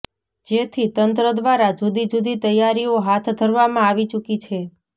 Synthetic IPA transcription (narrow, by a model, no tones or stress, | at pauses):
d͡ʒet̪ʰit̪ənt̪ɾəd̪ʋaɾad͡ʒud̪id͡ʒud̪it̪əjːaɾioɦat̪ʰd̪ʱəɾʋamãaʋit͡ʃukit͡ʃʰe